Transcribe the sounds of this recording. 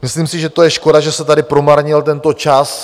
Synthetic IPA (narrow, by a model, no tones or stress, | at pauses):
mɪsliːmsɪʒɛt̪o̞jɛʃko̞daʒɛsɛt̪adɪpɾo̞maɾɲɪlt̪ɛnt̪o̞t͡ʃas